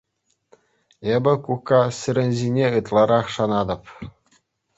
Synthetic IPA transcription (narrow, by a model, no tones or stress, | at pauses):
ebʲɘ̆kukːɑsʲɘ̆ɾʲɘ̆nʲzʲinʲeɯt̪lˠɑɾɑχʂɑnɑd̪ɤ̆p